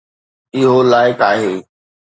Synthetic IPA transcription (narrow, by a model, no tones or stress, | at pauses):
ɪɦolaːɪkaːɦeː